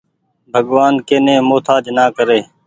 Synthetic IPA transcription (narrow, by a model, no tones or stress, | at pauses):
bʱəɡʋaːnkeːnẽːmoːt̪ʰaːd͡ʒnaːkəɾeː